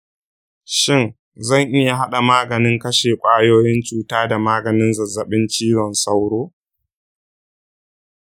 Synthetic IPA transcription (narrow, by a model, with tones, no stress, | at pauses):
ʃɪ˦˨n | zɐ˦˨ŋʔɪ˦ja˨ɦa˦ɗa˨maː˦ɡɐ˨nɪ˦ŋkɐ˦ʃeː˨kʷʼaː˦joː˦jɪ˦nt͡ʃuː˨taː˦da˨maː˦ɡɐ˨nɪ˦nzɐ˨zɐ˨ɓɪ˦nt͡ʃiː˦wɔ˨nsa˦wɽoː˦